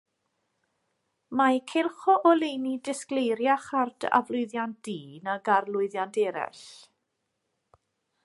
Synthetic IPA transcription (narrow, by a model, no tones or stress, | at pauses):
majkʰelˠχɔʔɔlejnidɪsklejɾjaχard̥a̰vlˠʊɨðjant̚d̥iːnaɡarlˠʊɨðjandɛɾɛ̰ɬ